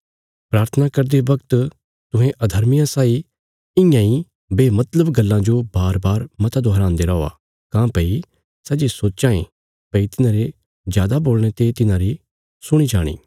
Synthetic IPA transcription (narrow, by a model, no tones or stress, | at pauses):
pɾaːɾt̪ʰənakɐɾd̪eʋɐkt̪ | t̪ʊ̃ɦẽʔɐd̪ʱɐɾmɪjãsaːi | ɪ̃jãĩ | beːmɐt̪ləbɡɐlːãd͡ʒobaːɾbaːɾmɐt̪ad̪oɦɐɾãːnd̪eɾɔːa̰ | kãːpɐi | sɐd͡ʒesoːt͡ʃãːḛ̃ | pɐit̪ɪnãːɾe | d͡ʒjaːd̪aboːlɽ̃et̪et̪ɪnãɾi | sʊɽ̃id͡ʒaːɽ̃ḭː